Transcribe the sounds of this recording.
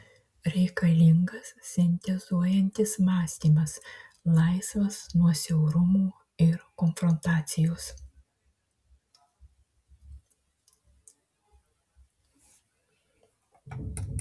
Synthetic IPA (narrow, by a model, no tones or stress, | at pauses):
ɾʲɛɪkɐlʲɪŋɡɐssʲɛnʲt̪ʲɛzuɔjɛnʲt̪ʲɪsmɑːsʲt̪ʲiːmɐslˠɐɪsʋɐsnuɔsʲɛʊɾʊmuː | ɪɾkɔnfɾɔnt̪ɑːt̪sʲɪjoːs